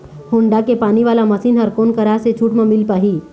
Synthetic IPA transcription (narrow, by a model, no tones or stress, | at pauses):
hoːɳɖakepaːniʋaːlamɐsiːnɦəɾkoːnkɐɾaːset͡ʃʰuːʈmẽmɪlpaːɦiː